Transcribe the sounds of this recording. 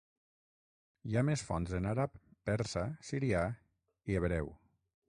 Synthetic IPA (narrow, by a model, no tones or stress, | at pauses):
iamesfɔ̰nzenaɾapːɛɾsasiɾia | ieβɾɛw